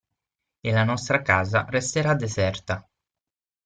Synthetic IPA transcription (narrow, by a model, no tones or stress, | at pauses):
elanɔst̪ɾakaːzarest̪eɾad̪ezɛrt̪a